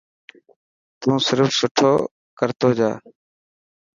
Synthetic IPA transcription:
t̪ũːsɪɾfsʊʈʰoː | kəɾt̪oːd͡ʒa̰ː

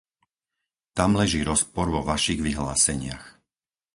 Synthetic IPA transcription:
t̪amlɛʒiːɾɔspɔɾʋɔʋaʃiɣʋiɦla̰ːsɛɲɪa̰x

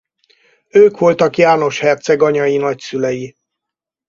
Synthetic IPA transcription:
øːkʋo̞lt̪ɒkjaːno̞ʃhɛrt̪sɛɡɒɲɒjinɒcsylɛji

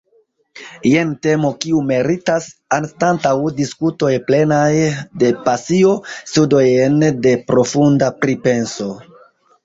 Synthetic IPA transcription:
jente̞mo̞kiume̞ɾitasanstantawdiskuto̞jple̞najde̞pasio̞studo̞jnde̞pɾo̞fundapɾipe̞nso̞

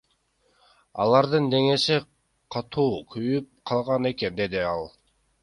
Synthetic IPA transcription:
ɑ̰lˠɑɾd̪ɯnd̪e̞ŋe̞ʃi | qʰɑt̪ʰuːkʰyjyp̚qʰɑlˠʁɑne̞ke̞nd̪e̞d̪iɑlˠ

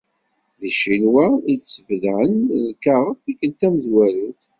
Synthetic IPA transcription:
ðiʃinwæidsəvðʕənlkaʁəθθikənt̪æməzwæɾuθ

